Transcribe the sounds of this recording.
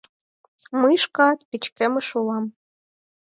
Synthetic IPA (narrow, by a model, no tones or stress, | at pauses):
mɤjʃkɑt̪pʲit͡ɕkemɘ̆ʃulˠɑm